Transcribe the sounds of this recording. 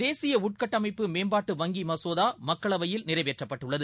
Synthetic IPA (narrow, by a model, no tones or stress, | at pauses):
d̪eːsɪjɐʊʈ̚kɐʈːɐmɐɪpːɯmeːmbaːʈːɯʋɐŋɡimɐsoːðaːmɐkːɐɭɐʋɐjɪlnɪrɐɪʋeːʈrɐpːɐʈːɯɭːɐðɯ